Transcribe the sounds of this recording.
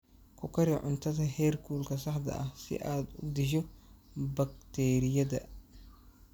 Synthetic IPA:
kʰʊkʰɐɾiʕʊ̰nt̪ʰɐðɐɦɛːrkʰuːlkʰɐs̬ɐħd̪ɐ̰ʔɐhsɪ̰ʔaːd̪ud̪ɪʃ̬ɔbɐkt̪ʰɛːɾɪjɐdɐ̰

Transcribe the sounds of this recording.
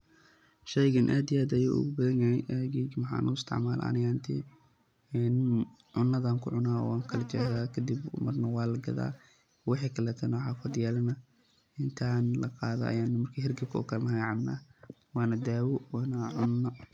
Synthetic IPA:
ʃɛjɣɐnʔaːd̪ɪjaːd̪ɐjṵːʔʊ̰ɣʊbɐðɐnjajɛʔɛɡiːɡmɐħɑ̰ːnʔṵɪst̪ʰɪ̰ʕmaːlɐ̰ʔɐ̰nɪɣaːnt̪ʰḭ | n | ʕʊnːɐðaːŋkʰʊʕʊnaːɔ̰aːŋkʰɐlɐt͡ʃɛðaːkʰɐd̪ibmɐrnɐwɑːlɐɡɐ̰ða̰ː | wɑħiːkʰɐlɛːt̪ʰɐnɔħaːfɐd̪jaːlɐnɐ | ɪnt̪ʰaːnlɐqɑːðɐ̰ɐ̰jaːnːɐmɐrkʰiɦɪrɡɐkʰɔ̰ːkʰɐlmɐɦɐɡʕɑbna̰ː | wɑːnɐd̪aːwɔwːnɐʕʊnːɐ

